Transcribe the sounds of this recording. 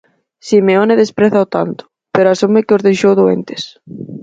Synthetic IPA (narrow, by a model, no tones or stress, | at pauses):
simeoneðespɾeθaot̪ant̪ʊ̥ | peɾoasumɪkɪozðejʃowðoḛnt̪e̥s